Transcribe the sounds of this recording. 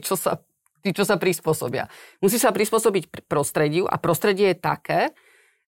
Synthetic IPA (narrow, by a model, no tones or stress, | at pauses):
t͡ʃɔsa̰ | t̪iːt͡ʃɔsapɾispʊɔsɔ̰bɪa̰musiːsapɾispʊɔsɔbicpɾɔst̪ɾɛɟɪuʔa̰pɾɔst̪ɾɛɟɪɛjɛt̪a̰kɛː